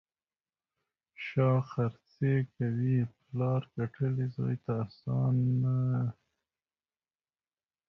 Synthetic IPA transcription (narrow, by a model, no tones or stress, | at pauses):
ʃɑːxaɾt͡sekawiplɑːɾkaʈʰəlizo̰jt̪asɑnːa